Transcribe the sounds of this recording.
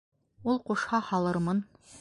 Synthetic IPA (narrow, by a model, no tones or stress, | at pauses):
ulˠquʃhɑhɑlˠɤɾmɤn